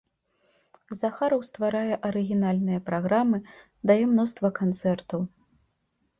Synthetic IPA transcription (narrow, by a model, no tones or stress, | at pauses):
zaxaɾɐwst̪vaɾajɛʔɐɾɨɣʲinalʲnɨjɐpɾaɣɾamɨ | d̪ajɛmnɔst̪vɐkant̪sɛrt̪ɐw